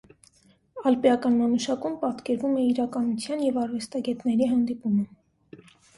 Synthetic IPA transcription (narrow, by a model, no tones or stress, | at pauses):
ɑlpijɑkɑnmɑnuʃɑkumpɑt̪kɛɾvumɛiɾɑkɑnut͡sʰjɑnjɛvɑɾvɛst̪ɑɡɛt̪nɛɾiɦɑnd̪ipumə